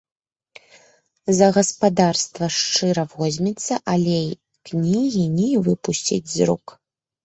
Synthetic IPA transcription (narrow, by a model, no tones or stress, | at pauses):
zɐɣɐspad̪arst̪vɐʂt͡ʂɨɾɐvɔzʲmʲɛt̪sːɐʔalʲɛ | knʲiɣʲinʲɛvɨpusʲt͡sʲḭd͡zʲzɾuk